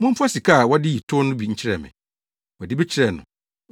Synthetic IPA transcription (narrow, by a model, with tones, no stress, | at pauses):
mʊ̃˦m˦pʰʊ˦a˦si˨kʰa˦˨wɔ˦dɪ˦ji˨tʰʊ˦nʊ̃˦bi˨ɲ̩˦t͡ɕʰɪ˦ɾɛ̰˨mɪ̰̃˨ | wɔ˨dɪ˦bɛ˦t͡ɕʰɪ˦ɾɛ˦˨nʊ̰̃˨